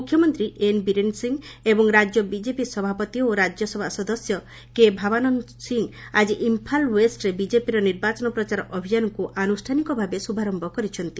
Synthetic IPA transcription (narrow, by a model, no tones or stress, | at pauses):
mukʰjɔmɔnt̪ɾiʔenbiɾensiŋebɔŋɾad͡ʒjɔbid͡ʒepisɔbʱapɔt̪ioɾad͡ʒjɔsɔbʱasɔd̪ɔsjɔ | kebʱabanɔn | siŋad͡ʒiʔimpʰalwesʈɾebid͡ʒepiɾɔniɾbat͡ʃɔnɔpɾɔt͡ʃaɾɔʔɔbʱijanɔŋkuʔanusʈʰanikɔbʱabesubʱaɾɔmbʱɔkɔɾit͡ʃʰɔnt̪i̥